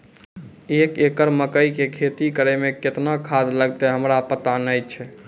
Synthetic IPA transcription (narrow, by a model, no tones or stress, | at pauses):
ekekəɾməkəikekʰet̪ikəɾɛmeket̪nakʰad̪ləɡt̪ɛɦəmɾapət̪anəjt͡ʃʰɛ